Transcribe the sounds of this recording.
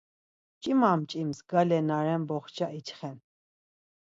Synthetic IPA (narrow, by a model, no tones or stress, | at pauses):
t͡ʃʼimamt͡ʃʼimsɡalɛnaɾɛmbɔχt͡ʃʰaʔit͡ʃχɛn